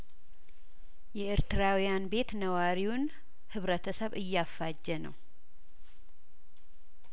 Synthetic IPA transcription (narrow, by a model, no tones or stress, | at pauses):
jɛeɾt̪ɨɾawijanbe̞t̪nəwaɾiwʊn | hɨβɾət̪ʰəsəβɨjːafːad͡ʒːɛnəw